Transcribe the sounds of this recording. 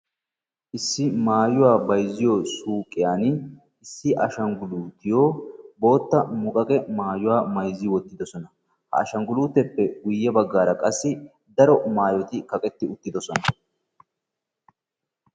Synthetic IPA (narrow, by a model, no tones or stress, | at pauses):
ʔɪsːɪmaːjʊwaːbɐjzɪjosuːkʼːɪjaːn | ɪsːɪʔɐʃɐŋɡʊluːt̪ɪjoːbo̞ːt̪ːɐmʊkʼɐkʼɛmaːjʊwaːmɐjzːɪwɔt̪ːɪd̪ɔsɔnɐ | hɐ̰ɐʃɐŋɡʊluːt̪ɛpːɛɡʊjːɐbɐɡːaːɾɐkʼɐsːɪ | d̪ɐɾɔmaːjɔt̪ɪkɐkʼɛt̪ːɪʊt̪ːɪd̪ɔsɔnɐ